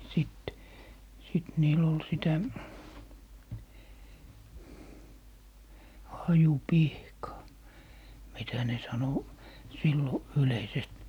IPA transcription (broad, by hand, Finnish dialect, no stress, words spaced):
sit sit niːl ol sitæ hɑjupihkɑː mitæ ne sɑno silːo yleisest